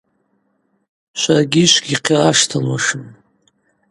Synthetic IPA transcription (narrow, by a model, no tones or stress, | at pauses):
ʃʷarɡʲiʃʷɡʲiqʰiaʂtʰalwaʂɨm